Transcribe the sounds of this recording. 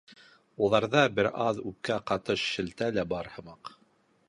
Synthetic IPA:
ulˠɑɾðɑbɘɾɑðʉp̚kæqɑt̪ɤʃːɘ̆lt̪ælæbɑɾhɤ̆mɑq

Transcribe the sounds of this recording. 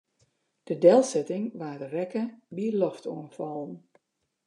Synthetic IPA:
d̥ədɛlˠsɛtɪŋʋaːdərɛkəbiəlɔftuənfɔlˠən

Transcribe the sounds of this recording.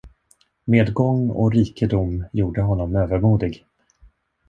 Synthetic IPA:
meːd̪ɡɔŋːɔ̰ɾiːkəd̪ʊmjuːɖəɦɔnːɔmøːvəɾmuːd̪ɪɡ

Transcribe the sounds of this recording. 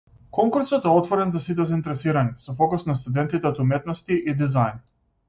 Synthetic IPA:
kɔŋkuɾsɔt̪ɛɔt̪vɔɾɛnzasit̪ɛzaint̪ɛɾɛsiɾaɲʲɛsɔfɔkusnast̪ud̪ɛnt̪it̪ɛɔt̪umɛt̪nɔst̪iʔid̪izajn

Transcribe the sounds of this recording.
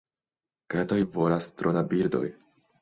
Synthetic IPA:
ket̪ojvolast̪ɾʔonabiɾdo̰j

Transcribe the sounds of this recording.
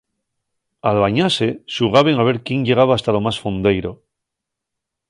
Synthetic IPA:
alβaɲase̞suɣ̞aβe̞ŋaβ̞e̞ɾkjenʝe̞ɣ̞aβaːst̪alo̞masfond̪e̞jɾo̞

